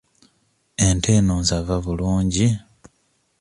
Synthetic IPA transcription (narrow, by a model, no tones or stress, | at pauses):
e̞nte̞ːnonzavaβuluːɲɟi